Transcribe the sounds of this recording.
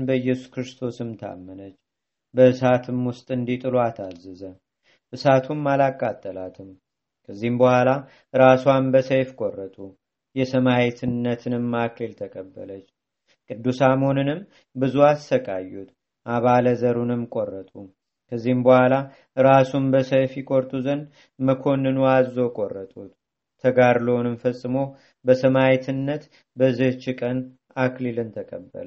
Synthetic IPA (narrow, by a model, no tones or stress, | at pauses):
bəɨjɛsu̥kɾɨst̪ʰo̞sɨmt̪ʰa̰mːənət͡ʃː | bəɨsat̪ʰɨmwʊst̪ʼɨnd̪it̪ʼɨloat̪ʰazɨzə | ʔɨsat̪ʰumːalakʼːat̪ʼːəlat̪ʰɨm | kʰəzːihmbəhʷala | ɾaswambəsəjfkʼorːət̪ʼu | jɛsəmajet̪ʰɨnːət̪ʰɨnɨmːakʰəlt̪ʰəkʼəbːə̰lət͡ʃː | kʼɨd̪ːusamhonɨnɨm | bɨzuassəkʼa̰jːut̪ | ʔaβaləzəɾunɨmkʼorːət̪ʼu | kʰəzːihmbəhʷala | ɨɾasumbəsəjfjikʼo̞ɾt̪ʼuzən | məkʰo̞nːɨnuazːo̞kʼorːət̪ʼut̪ | t̪ʰːəɡaɾloonɨmfəsʼːɨmo | bəsəmajɛt̪ʰɨnːət̪ | bəzɨht͡ʃɪkʼən | aklilɨnt̪ʰəkʼəbːə̰l